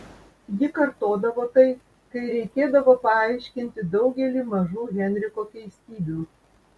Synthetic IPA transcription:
jɪkɐɾt̪oːd̪ɐʋoːt̪ɐɪ | kɐɪɾʲɛɪkʲeːd̪ɐʋoːpɐɑˑɪʃʲkʲɪnʲt̪ʲɪd̪ɐʊɡʲɛlʲiːmɐʒuːɦʲɛnʲɾʲɪkoːkʲɛɪsʲt̪ʲiːbʲuː

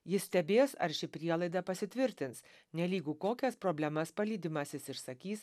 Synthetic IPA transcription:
jɪssʲt̪ʲɛbʲeːsɐ̰ɾʃʲɪpʲɾʲiɛlˠɐɪd̪ɐpɐsʲɪt̪ʲʋʲɪɾʲt̪ʲɪns | nʲɛlʲiːɡʊkoːkʲɛspɾoːbʲlʲɛmɐspɐlʲiːd̪ʲɪmɐsʲɪsɪʃsɐkʲiːs

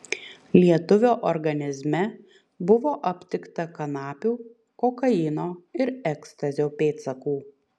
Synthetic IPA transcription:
lʲiɛt̪ʊʋʲoːʔɔɾɡɐnʲɪzʲmʲɛ | bʊʋoːʔɐpʲt̪ʲɪkt̪ɐkɐnɑːpʲuː | kɔkɐɪnoːɪɾɛkst̪ɐzʲoːpʲeːt̪sɐkuː

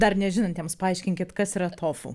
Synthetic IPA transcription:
d̪ɐrnʲɛʒʲɪnɐnt̪jɛmspɐɐɪʃʲkʲɪŋʲkʲɪt̪kɐsɪɾɐt̪ʰoːfṵ

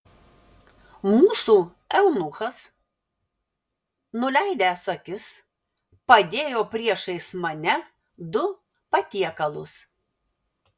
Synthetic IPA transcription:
muːsuː | ɛʊnʊxɐs | nʊlʲɛɪd̪ʲæːsɐkʲɪs | pɐd̪ʲeːjoːpʲɾʲiɛʃɐɪsmɐnʲɛ | d̪ʊ | pɐt̪ʲiɛkɐlˠʊs

